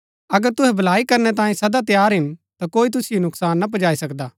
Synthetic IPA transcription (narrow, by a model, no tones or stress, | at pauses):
ɐɡəɾt̪ʊɦɛbʱɐlaːikɐɾnɛt̪ãːẽsɐd̪at̪̬jaːɾɦɪnt̪akoːit̪̬ʊsɪjonʊksaːnːap̬ɐd͡ʒaːisɐkd̪aː